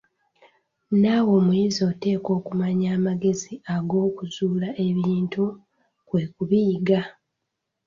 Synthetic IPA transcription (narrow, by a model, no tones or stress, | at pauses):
nawo̞ːmwjiːzio̞te̞ːko̞ːkumaɲaːmaɡe̞ziaɡo̞ːkuzuːlaʔe̞βiːntu | kwe̞ːkuβiːɡa